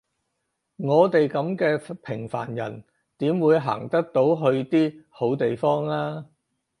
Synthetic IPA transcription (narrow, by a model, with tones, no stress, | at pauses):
ŋɔː˨˧t̪e˨jkɐ˨˥mkɛː˧pʰɪ˨˩ŋfa̰ː˨˩njɐ̰˨˩n | t̪iː˨˥mwuː˨˧jɦa̰ː˨˩ŋt̪ɐ˥k̚t̪o˨˥wɦɵ˧ɥt̪iː˥ho˨˥wt̪e˨jfɔː˥ŋlaː˥